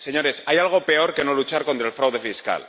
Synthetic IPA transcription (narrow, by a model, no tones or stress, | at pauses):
se̞ɲo̞ɾe̞sajalɣ̞o̞pe̞o̞ɾke̞no̞lut͡ʃaɾko̞nt̪ɾaelfɾawðefiska̰l